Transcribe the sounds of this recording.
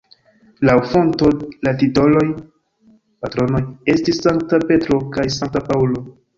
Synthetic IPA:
lawfo̞nto̞latito̞lo̞j | patɾo̞no̞je̞stisːaŋk̚tape̞tɾo̞kajsaŋk̚tapaulo̞

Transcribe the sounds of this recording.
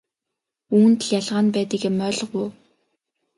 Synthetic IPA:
uːnt̪̆ɮjaɮʁaːnpæːt̪ə̆kamœːɮɞ̆quj

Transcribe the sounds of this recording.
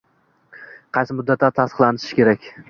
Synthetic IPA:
qʰɑjsɪmʊd̪ːat̪ːat̪ʰːast̪ɨχlˠanɪɾɪʃkʲe̞ɾakʲ

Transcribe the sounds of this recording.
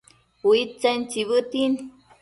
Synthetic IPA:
wit͡sent͡ʃiβɨt̪in

